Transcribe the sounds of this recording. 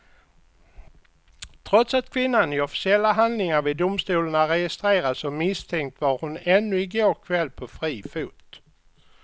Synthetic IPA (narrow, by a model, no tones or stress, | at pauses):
t̪ʰɾɔt̪sat̪̚kʰvɪnːanɪɔfɪ̥sɪɛlːaɦand̪lɪŋaɾvɪd̪ʊmst̪uːləɳaɾɛjɪst̪ɾeːɾasɔmɪst̪ʰɛŋk̚t̪vaɾhʊnɛnːɵɪɡoːɾkʰvɛlːpʰɔfɾiːfuːt̪